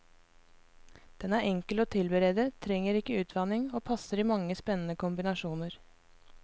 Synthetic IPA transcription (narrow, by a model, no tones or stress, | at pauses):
d̪̥ɛnæːʔɛŋkəloːt̪ʰɪlbəɾeːd̪ət̪ʰɾɛŋːəɾɪkːəʉːt̪d̪ɑːnɪŋoːpʰɑsəɾiːmɑŋːəspɛnən̩əkʊmbɪnɑʃuːnəɾ